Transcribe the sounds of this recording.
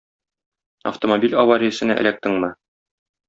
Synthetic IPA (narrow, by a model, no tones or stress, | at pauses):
ɐ̰ft̪omobʲilʲɒwɑɾʲijɘ̆sɘ̆næ̰ʔæ̰læk̚t̪ɘŋmɘ